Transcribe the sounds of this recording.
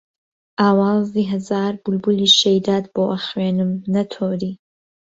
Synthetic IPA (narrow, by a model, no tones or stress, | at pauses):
ʔaːwɑːziːɦɐzaːɾbulbuliʃejd̪aːd̪boːʔɐχwenɨmnɐt̪ʰoːɾi